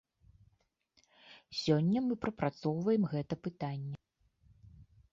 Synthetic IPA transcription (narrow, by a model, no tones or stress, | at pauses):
sʲɔnʲːɐmɨpɾɐpɾat̪sɔwvɐjɛmɣɛt̪ɐpɨt̪anʲːɛ